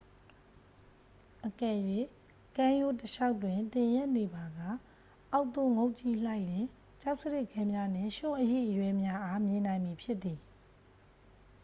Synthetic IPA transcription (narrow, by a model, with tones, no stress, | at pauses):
ʔəkɛ˦˨jwe˦˨ | kã˦jo˦˨təʃa˦ʊtwɪ̃˨nt̪ɪ̃˨jɛ˦ʔne˨ba˨ɡa̰˦˨ | ʔa˦ʊʔt̪o˦˨ŋo˦ʊʔt͡ɕi˦l̥a˦ɪʔlɪ̃˨ | t͡ɕa˦ʊʔsə˦dɪ˦˨ʔkɛ̃˦mja˦n̥ɪ̰̃˦˨ʃʊ̃˦ʔəjḛ˦˨ʔəjwɛ˦mja˦ʔa˦mjɪ̃˨nã˨ɪ̃mi˨pʰjɪ˦ʔt̪ːi˨